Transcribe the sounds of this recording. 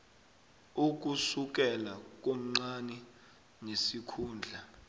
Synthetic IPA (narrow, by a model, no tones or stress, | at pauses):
uk̬usuk̬ɛlak̬om̩ŋ͡ǀanɛ | nesikʰuːnd͡ɮʱa